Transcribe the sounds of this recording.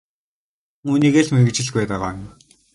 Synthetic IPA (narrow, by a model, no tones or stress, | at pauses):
uːniːɣeːɮmeɣɘ̆t͡ɕɪ̆ɮɡpæːt̪aʁaːm